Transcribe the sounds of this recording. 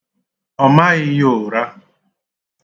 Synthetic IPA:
ɔ˨ma˦ɣɪ˦jo˨ɾa˦

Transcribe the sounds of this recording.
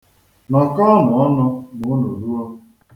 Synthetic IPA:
na˨ka˦mʊ˨ɔ˦nɔ˦mʊ˨˦no˨ɾu˦ɔ˦

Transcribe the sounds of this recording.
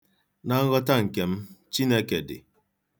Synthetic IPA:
na˨˦ŋ̩˦ɣɔ˦ta˦ŋ̩˨ke˨m˦t͡ʃi˦ne˦ke˨dḛ˨

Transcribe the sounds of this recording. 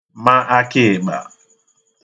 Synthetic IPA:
ma˦ʔa˦kɪ˦˨ɡ͡ba̰˨

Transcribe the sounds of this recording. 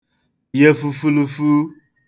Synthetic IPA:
je˦fu˦fu˦lu˧fu˦

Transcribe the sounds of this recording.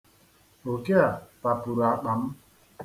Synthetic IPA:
o˨ke˦a˨pa˨bu˨ɾa˨ɓa˨˦m

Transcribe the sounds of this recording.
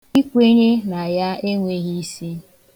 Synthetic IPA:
i˦kʷe˦ɲe˦na˨ja˦e˦ŋʷe˦ɣi˦si˦

